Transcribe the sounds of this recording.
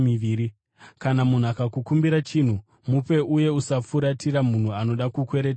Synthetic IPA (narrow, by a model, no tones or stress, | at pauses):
iʋiːɾi | kanamun̤akakukumbiɾat͡ʃin̤u | mupe̞ʔuje̞usafuɾatiɾamun̤uano̞ɗakukwe̞ɾeta